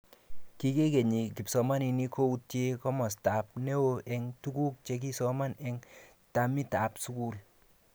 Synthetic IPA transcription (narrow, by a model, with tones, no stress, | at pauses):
ki˦ke˦ke˨ɲi˨ki˨psɔ˨ma˦ni˨ni˦ko˦u˧tje˦kɔ˦mɔ˨sta˨p̚ne˦wo˦˧ʔɛ˨ŋtu˦ku˦k̚t͡ʃe˨˧k̬i˦sɔ˦ma˦nɛ˦ŋ | ta˨mi˦ta˨psu˦ku˦l